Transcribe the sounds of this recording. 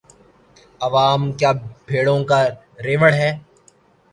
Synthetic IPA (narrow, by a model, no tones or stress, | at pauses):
ɐʋaːmkjaːbʱeːɽõka | ɾeːʋəɽɦɛː